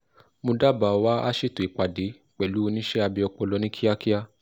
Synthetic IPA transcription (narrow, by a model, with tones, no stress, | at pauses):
mõ˧da˦ba˨ɔ˧wa˦a˦ʃi˦˨tu˨i˨k͡pa˨de˨˦ | k͡pɛ˨lu˨˦o˧nĩ˦ʃɛ˦a˧bi˧ɔ˧k͡po˧lɔ˧˦nĩ˦kʰi˦a˦ki˦a˧